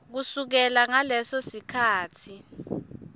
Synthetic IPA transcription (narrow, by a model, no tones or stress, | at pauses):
k̬usuk̬ɛlaŋalɛsɔsikʰaːtʰi